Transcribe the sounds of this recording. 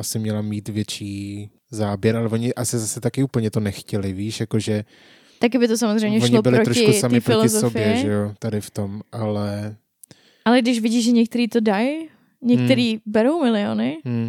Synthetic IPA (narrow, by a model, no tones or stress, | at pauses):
ʔasɪmɲɛlamiːt̪vjɛt͡ʃiː | zaːbjɛɾʔalɛvo̞ɲɪʔasɪzasɛt̪akɪuːpl̩ɲɛt̪onɛxcɛlɪviːʃjakoʒɛ | t̪akɪbɪt̪os̬amozr̝ɛjmɲɛvoɲɪbɪlɪɾotɾoʃɪkusamɪfɾoɪloɪzsoofbɪjɛɛʒɛjot̪adɪft̪o̞mʔalɛ | ʔalɛɡdɪʃvɪɟiːʒɛɲɛk̚t̪ɛɾiːt̪o̞daj | ɲɛkt̪ɛɾiːbɛɾowmɪlɪo̰nɪm̩